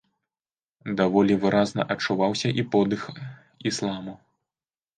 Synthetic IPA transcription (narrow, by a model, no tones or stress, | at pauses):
d̪avɔlʲivɨɾaznɐ̰ʔɐt͡ʂːuvawsʲɐʔipɔd̪ɨx | islˠamu